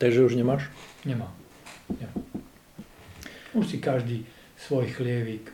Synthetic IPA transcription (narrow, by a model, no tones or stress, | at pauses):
t̪aɡʒɛuʒɲɛmaːʃɲɛmaːm | ɲɛma | uʃsikaʒd̪iː | sʋɔjxlɪɛʋiːk